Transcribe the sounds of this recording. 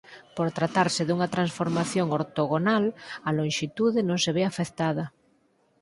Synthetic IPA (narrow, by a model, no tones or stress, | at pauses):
poɾt̪ɾat̪aɾsɪðuŋɐt̪ɾansfoɾmaθjoŋoɾt̪oɣonalɐlõŋʃit̪uðɪnõŋseβ̞eafekt̪að̞ɐ